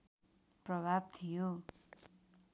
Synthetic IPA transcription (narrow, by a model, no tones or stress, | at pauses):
prʌbʱab̚t̪ʰijo